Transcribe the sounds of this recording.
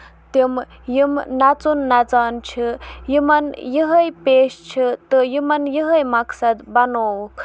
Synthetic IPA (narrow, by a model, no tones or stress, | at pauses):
t̪im | jimnat͡sunːat͡sant͡ʃʰijimɐnjiɦəjpest͡ʃʰit̪ɨjimɐnjiɦəjmɐksɐd̪bɐnokʰ